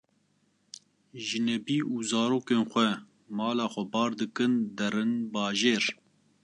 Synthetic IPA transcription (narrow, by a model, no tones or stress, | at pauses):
ʒɨnɛbiːʔuːzɑːɾoːkeːnxʷɛ | mɑːlɑːxʷɛbɑːɾd̪ɨkɨnd̪ɛɾɨnbɑːʒeːɾ